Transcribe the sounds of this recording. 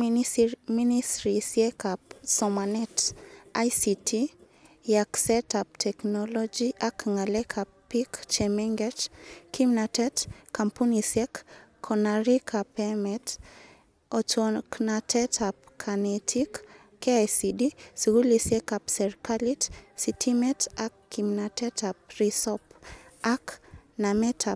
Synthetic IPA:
iniministɾisiɛkap̚sɔmanɛtajsitʰi | jaksɛtap̚tʰɛknɔlɔd͡ʒiʔakŋalɛkʰappːikt͡ʃemɛŋɡɛt͡ʃkʰimnatɛtkampunisɛkːʰ | ɔnaɾikʰapɛmɛt | ɔt͡ʃɔknatɛtʰapkʰanɛtʰikː | eajsidisuɡulisɛkapsɛɾkalitsitʰimɛtakːimnatɛtap̚risɔpaknamɛtʰa

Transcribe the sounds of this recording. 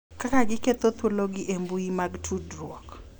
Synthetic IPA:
kakaɡɪket̪ot̪woloɡɪʔembuimaɡtʰudrwɔk

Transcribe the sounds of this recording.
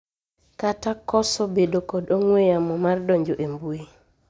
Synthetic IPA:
katakɔsɔbedokɔdoŋweamɔmardɔɲd͡ʒoʔembue

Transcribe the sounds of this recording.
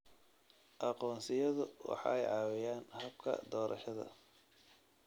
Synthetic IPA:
ʔɑqɔːnsɪjɐðʊwɑ̰ħɑ̰ɛjʕɑːwɪjaːnhɐb̚kʰɐ̰d̪ɔːɾʔɐ̰ʃɐðɐ̰

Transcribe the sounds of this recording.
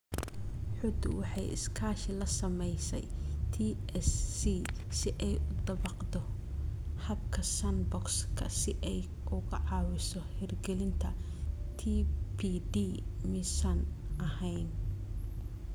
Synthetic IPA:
ħʊd̪ʊ̰wɑħɑjɪ̰skʰaːʃɪlɐsɐmɛjsɛ̰jt̪ʰiːɛsi | sɪʔɛjʊd̪ɐβɑqd̪ɔ | hɐb̚kʰɐsɐnbɔkskʰɐsɪʔɛj | ʔʊɣɐʕɑːwɪsɔhɛrɡɛlɪnt̪ʰɐ | t̪ʰipʰid̪iːmɪsɐnʔɐhɛjn

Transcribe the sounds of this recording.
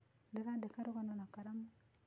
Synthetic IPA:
ndeɾandekaɾokanonakaɾamu

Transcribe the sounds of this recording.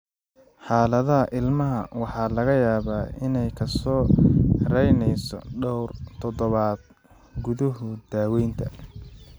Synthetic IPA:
ħɑːlɐðɐɦɐʔɪlmɐɦɐ̰wɑħɑːlɐɣɐjaːβaːʔɪnɛjkʰɐsɔːɾɛjnɛjsɔ̰ɖɔwrt̪ʰɔðɔβaːd̪̚ | ɡʊðʊɦʊd̪̥aːwɛjnt̪ʰɐ

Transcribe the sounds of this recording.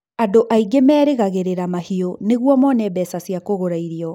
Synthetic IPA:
adoʔaiɡemɛːɾeɣaɣeɾeɾamahioneɣwɔmɔnɛbɛsasijakoɣoɾaiɾiɔ

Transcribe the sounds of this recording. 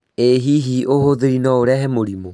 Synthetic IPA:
eɦiɦiʔohoðeɾinɔoɾɛɦɛmoɾimo

